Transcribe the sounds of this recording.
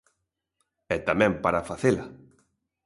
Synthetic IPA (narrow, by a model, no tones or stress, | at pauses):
ɛt̪amɛ̃mpaɾafaθela